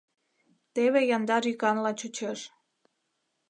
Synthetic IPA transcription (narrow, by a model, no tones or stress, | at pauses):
t̪eβejɑnd̪ɑɾykɑnlɑt͡ɕut͡ɕeʃ